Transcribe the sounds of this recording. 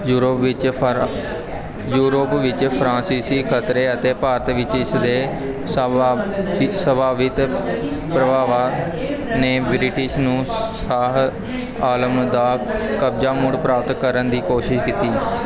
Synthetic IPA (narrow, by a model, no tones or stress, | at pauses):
ɾpɪ | juːɾoːpʋɪt͡ʃpʰɾãːnsiːsiːkʰət̪ɾeːət̪eːpaːɾət̪ʋɪt͡ʃɪsd̪eː | səbaːʋɪt̪pɾəbaːʋaː | neːbɾɪʈɪʃnũːsaːɦ | aːləmd̪aːkəbd͡ʒaːmʊɽpɾaːp̚t̪kəɾənd̪iːkoːʃɪʃkit̪iː